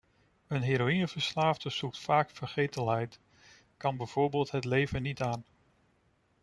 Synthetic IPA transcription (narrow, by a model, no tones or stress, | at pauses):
ənɦeːɾoinəv̥əɹslaːvdəz̥uk̚tfaːkfəɹχejtəlɦɛjt | kɑnbɛjv̥oːɹbeːlˠtɦətlejvənitaːn